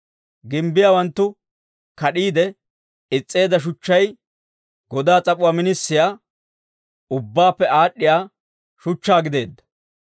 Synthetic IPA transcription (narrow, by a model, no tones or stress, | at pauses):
ɡɪmbɪjaːwɐnt̪ːʊ | kɐɗiːd̪ɛ | ɪt͡sʼːe̞ːd̪ɐʃ̬ʊt͡ʃːɐj | ɡ̥ɔd̪aːt͡sʼɐpʼʊwaːmɪnɪsːɪjaː | ʊbːaːpːɛʔaːɗːɪjaː | ʃʊt͡ʃːaːɡɪd̪e̞ːd̪ːɐ̥